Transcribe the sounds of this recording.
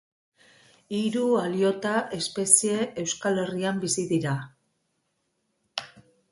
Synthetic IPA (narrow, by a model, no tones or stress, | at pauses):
iɾualio̞t̪aʔe̞spe̞sie̞ewskale̞riambisiðiɾa